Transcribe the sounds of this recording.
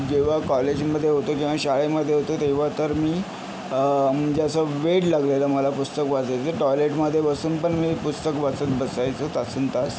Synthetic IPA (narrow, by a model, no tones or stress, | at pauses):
d͡ʑeʋ̤akɔled͡ʑməd̪ʱːjeɦot̪okĩw̃ʋaɕaɭeməd̪ʱːjeɦot̪ot̪eʋ̤at̪əɾmiː | məd͡ʑasəʋeɽlaɡleləməlapust̪əkʋat͡sajt͡səʈɔjleʈməd̪ʱːjebəsuːnpəɳmiːpust̪əkʋət͡sət̪̚bəsajt͡sət̪asuːnt̪as